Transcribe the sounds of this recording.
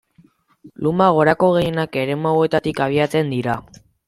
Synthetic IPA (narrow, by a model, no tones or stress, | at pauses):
lumaɣ̞o̞ɾako̞ɣe̞je̞nake̞ɾe̞mawe̞t̪at̪ikaβ̞iat͡se̞nd̪iɾa